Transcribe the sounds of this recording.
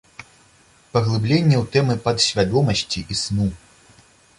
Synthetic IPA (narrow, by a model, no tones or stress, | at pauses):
pɐɣlˠɨblʲenʲːɛwt̪ɛmɨpɐd̪ɕʲvʲad̪ɔmɐsʲt͡sʲiʔisnu